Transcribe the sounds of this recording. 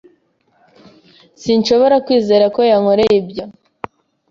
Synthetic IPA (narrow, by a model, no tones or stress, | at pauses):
sinʃo̞βo̞ɾakwiːze̞ːɾako̞jaŋo̞ɾejibjo